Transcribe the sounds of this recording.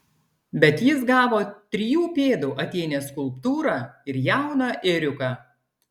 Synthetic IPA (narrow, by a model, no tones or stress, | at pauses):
bʲɛt̪jɪsɡɑːʋoːt̪ʲɾʲɪjuːpʲeːd̪uːʔɐt̪ʲɛːnʲeːskʊlˠpt̪uːɾɑːɪɾjæˑʊnɑːʔɪɾʲʊkɑː